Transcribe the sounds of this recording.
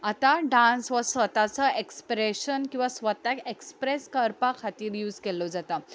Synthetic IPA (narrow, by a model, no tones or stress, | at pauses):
at̪aɖãnsʋəsʋət̪at͡səekspɾeɕənkĩw̃ʋasʋət̪akekspɾeskəɾpakʰat̪iːɾjuːd͡zkelɔd͡zat̪a